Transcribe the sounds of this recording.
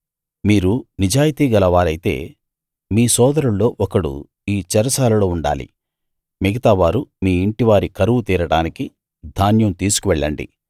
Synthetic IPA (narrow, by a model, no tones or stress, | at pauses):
miːɾunid͡ʒaːjit̪iːɡɐlɐʋaːɾɐjit̪e̞̰ː | miːsɔːd̪ɐɾuɭːo̞ːʔɔkɐɽṵ | iːt͡ʃɐɾɐsaːlɐlo̞ːuɳɖa̰ːlḭ | miɡɐt̪aːʋaːɾumiːiɳʈiʋaːɾikɐɾuʋut̪iːɾɐɽaːniki | d̪ʱaːnjɐmt̪iːsu̥kuʋɛɭːɐɳɖḭ